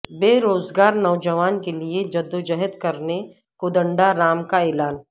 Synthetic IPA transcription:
beːɾoːzɡaːɾnɔʊd͡ʒəʋaːnkelied͡ʒɐd̪ːod͡ʒɐɦət̪kɐɾne | kʊd̪ə̃ɳɖaɾaːmkaeːlaːn

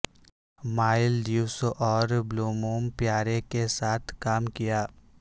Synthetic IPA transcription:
maːɪlduːsʔɔːɾbloːmoːmpjaːɾekesaːt̪ʰkaːmkijaː

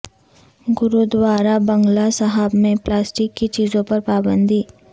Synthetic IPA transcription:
ɡʊɾud̪waːɾabɐ̃ŋɡlasɐɦəbmẽplaːsʈɪkːit͡ʃiːzõpɐɾpaːbə̃nd̪iː

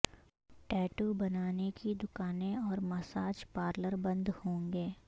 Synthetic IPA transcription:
ʈɛːʈubɐnaːnekid̪ʊkaːneɔːɾmɐsaːd͡ʒpaːɾləɾbɐ̃nd̪hõːŋɡeː

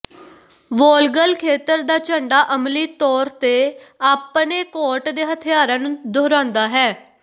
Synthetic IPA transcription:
ʋɔːlɡəlkʰeːt̪əɾd̪aːt͡ʃəɳɖaːʔəmliːt̪ɔːɾt̪eː | aːpneːkɔːʈd̪eːɦət̪ʰɪjaːɾãːnũːd̪oːɾãːnd̪aːɦɛː

